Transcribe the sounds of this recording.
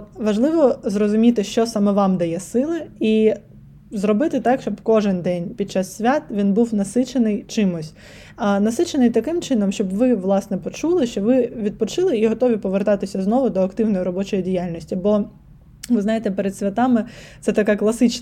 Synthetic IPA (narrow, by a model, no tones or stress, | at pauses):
ʋɐʒlˠɪʋɔzrɔzʊmʲit̪ɪʃt͡ʃɔsɑmɛʋɑmd̪ɐjɛsɪlˠɪi | zrɔbɪt̪ɪt̪ɑkʃt͡ʃɔbkɔʒɪnd̪ɛnʲpʲid̪̚t͡ʃɑsːʲʋʲat̪ʋʲinbuwnɐsɪt͡ʃenɪjt͡ʃɪmʊsʲ | nɐsɪt͡ʃenɪjt̪ɐkɪmt͡ʃɪnɔmʃt͡ʃɔbʋɪʋlˠɑsnɛpɔt͡ʃulˠɪʃt͡ʃɔʋɪʋʲid̪̚pɔt͡ʃɪlˠɪiɦɔt̪ɔʋʲipɔʋert̪ɑt̪ɪsʲɐznɔʋʊd̪ɔɐkt̪ɪwnɔjiɾɔbɔt͡ʃɔjidʲijalʲnʲɔsʲtʲibɔ | ʋɪzɑjet̪ɛpeɾed̪sʲʋʲɐt̪ɑmɪt̪sɛt̪ɐkɛklˠɐsɪt͡ʃ